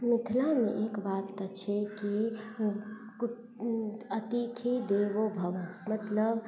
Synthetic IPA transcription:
mɪt̪ʰlamẽʔeːkbaːt̪ːət͡ʃʰeki | k | ət̪it̪ʰid̪eːʋobʱəʋomət̪ləb

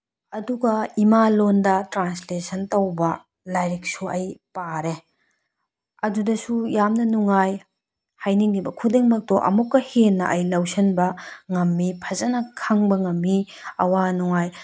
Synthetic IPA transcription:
ɐduɡɐimalondɐtɾanslesɐntɐwbɐ | lajɾik̚suɐjpaɾe | ɐdudɐsujamnɐnuŋaj | hajniŋibɐkʰudeŋmɐk̚toʔɐ̰mukːɐhenːɐʔɐjlɐwsɐnbɐŋɐmːipʰɐzɐnɐkʰɐŋbɐŋɐmːi | ɐwanɔŋaj

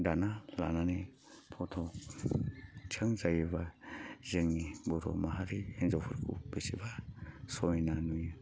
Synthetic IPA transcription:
danala̰nane | pʰɔtʰɔ | t͡ʃʰɯŋzajebazeŋnibɔtɔ̰maɦaɾienzawpʰuɾkʰṵb̥esibasɔminanuja

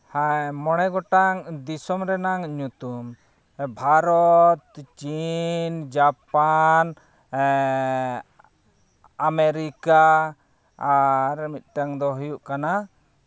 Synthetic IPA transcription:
hamɔɽ̃ɛɡɔʈaŋd̪isɔmɾɛnaŋɲut̪um | bʱaɾɔt̪̚t͡ʃind͡ʒapan | ameɾikaː | ɾmit̪̚ˀʈaŋd̪ɔɦujuʔkana

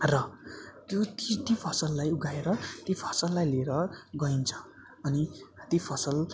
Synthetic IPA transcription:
rʌt̪jot̪isʈipʰʌsʌlːajuɡaeɾʌt̪ipʰʌ̥sʌlːajleɾʌɡʌint͡sʰʌ̥ː | nit̪ipʰʌsʌl

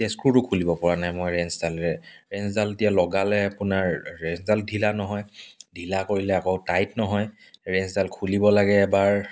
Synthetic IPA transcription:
askuɹʊkʰulibɔpɔɹanajmojɹɛnszalɹɛɹɛnszaletijalɔɡalɛapʊnaɹːɛnszaldʱilanɔɦɔjdʱilakoɹilɛakoʊtajtnɔɦɔj | ɹɛnszalkʰulibɔlaɡɛːbaɹ

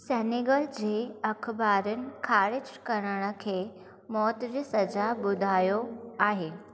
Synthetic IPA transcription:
sɛniɡəld͡ʑeəkʰbaɾənkʰaɽit͡ɕkəɾəɳ̃əkʰe | mɔt̪ɾisəd͡ʑabud̪ʱajoaɦe

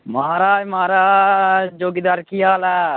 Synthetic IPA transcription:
mɐɦaːɾaːd͡ʒmɦaːɾaːd͡ʒoːɡid̪aɾkijaːla

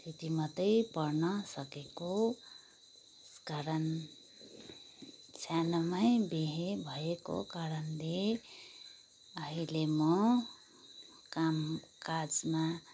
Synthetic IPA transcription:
t̪ʰit̪imʌt̪ʌjpʌrnʌsʌkeko | skaɾʌn | sanʌmajbeɦebʱʌeko̰kaɾʌnle | ʌɦilemʌ | kamkad͡zma

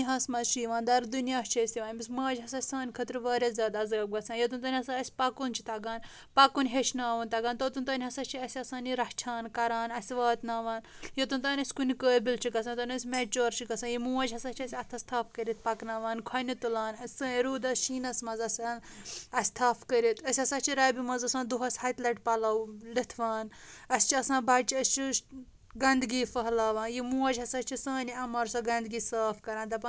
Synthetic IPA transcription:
ɦɐsmɐzʃiːʋãːnd̪ɐɾd̪unjaːt͡ʃʰɐsʲiʋaːnʲbismɐːɐd͡ʒɦɐsɐsʲsaːnʲkʰɐt̪ɾʋaːɾʲɐzʲaːd̪aːzɐːb̚ɡɐt͡sʰaːnjɐt̪unt̪ɐːnihɐsaɐsʲpɐkunt͡ʃʰi̥t̪ɐɡaːn | pɐkunɦeʃnaːʋɐnt̪ɐɡaːnt̪ot̪unt̪ɐːnʲɦɐsɐt͡ʃʰiɐsʲɐsaːniɾɐkt͡ʃʰaːnkɐɾaːnɐsʲiʋaːt̪naːʋaːn | jɐt̪unt̪aːnʲɐsʲkunikəːbilt͡ʃʰikɐsʰaːnt̪onɐsʲmeːt͡ʃoːɾt͡ʃʰikɐsãːnjimuːɐd͡ʒɦɐsɐːt͡ʃʰɐsʲɐt̪ʰɐst̪ʰaːfkɐɾit̪̚ʰpɐknaːʋaːnkʰwɐnit̪ulaːnɐsɐɾuːd̪ɐsʃiːnɐsmɐzɐsʲanɐsʲt̪ʰaːfʰkɐɾit̪ʰɐsʲɐsaːt͡ʃʰiɾaːbimɐzɐsãːnd̪uɦɐsʲhaːjt̪lɐʈpɐlɐwlit̪ʰʋaːnɐsʲt͡ʃʰiɐsãːbɐt͡ʃiɐst͡ʃi | ɡɐnd̪ɡiːfɐɦlaːʋãːnjimuːɐd͡ʒʲɐsaːt͡ʃʰisɐːniɐmɐɾsɐɡɐnd̪ɡiːsaːfkɐɾãːnt̪ɐpɐn

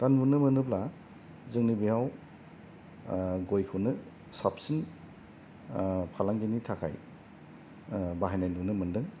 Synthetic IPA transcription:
tanbunɯmɯnɯbla | zɯŋnibijaw | ɡojkʰɯwnɯ | sapsin | pʰalaŋɡinitʰakʰa̰j | baɦajnajnunɯmɯndɯŋ

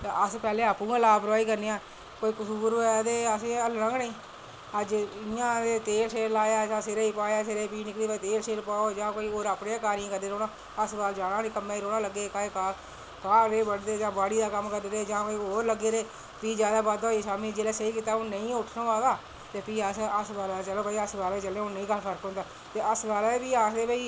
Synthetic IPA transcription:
t̪eəspɛːleːaːpũːãːlaːpəɾʋaːiːkəɾneːaː | koːiːkʊsuːɾɛːd̪eːəsẽːələ̃ɡneĩː | əd͡ʒɪjãːd̪eːt̪eːɾseːlaːjaːsãːseɾeːiːpaːjaːseɾeːpiːnɪkɽiːait̪eːɾseːlpaːod͡ʒãːkoːiːoːɾaːpɽeːkaːɾĩːkəɾd̪eːɾoːnaː | əsbaːld͡ʒaːnãːnĩːkəmaːiɾoːnaːləɡːeːkaekaː | kaːɾeːbəɽd̪eːd͡ʒãːbaːɽiːd̪aːkəmkəɾd̪ːɾeːd͡ʒãːoːɾləɡeːɾeː | piːd͡ʒjaːd̪aːbaːd̪oːiːsaːmĩːd͡ʒeːleːsəiːkiːt̪aːõːnəĩːʊʈʰnõːʋaːd̪aː | t̪eːpiːəsəsbaːlat͡ʃəloːkəiːəsdaːlaːiːt͡ʃəlẽːoːnəĩːkəɾpʰəɾkɦõnd̪aː | t̪eːəsdaːlaepiːaːsd̪eːbəiː

